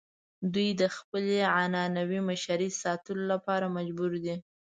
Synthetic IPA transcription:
d̪ujd̪əxpəleʕanɑnawimaʃaɾisɑt̪əlolapɑɾamad͡ʒbuɾd̪i

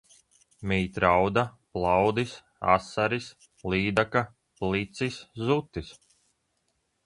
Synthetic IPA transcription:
miːt̪ɾawd̪aplˠɑwd̪is | a̰saɾis | liːd̪aka | plˠit̪siszut̪ːis

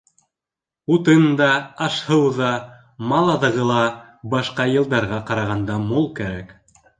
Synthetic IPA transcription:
ut̪ɤnd̪ɑɑʃhɤwðɑ | mɑlˠɑðɤ̆ʁɤlˠɑ | bɑʃqɑjɤ̆lˠd̪ɑɾʁɑqɑɾɑʁɑnd̪ɑmulˠkæɾæk

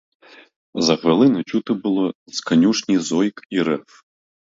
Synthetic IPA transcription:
zɐxʋelˠɪnɪt͡ʃut̪ɪbʊlˠɔskɐnʲuʂnʲizɔjkiɾɛf

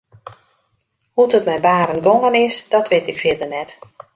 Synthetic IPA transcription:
hutətmɛjnbaːɾənɡoŋənɪsdɔtʰʋetɪkfɪdənɛt

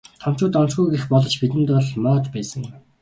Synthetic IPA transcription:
t̪ʰɔm̥t͡ɕʊːt̪ɔnt͡sɡujɡexpɔɮɞ̆t͡ɕpit̪ɘ̆mt̪ɔɮmɔːt̪pæːsə̆ŋ

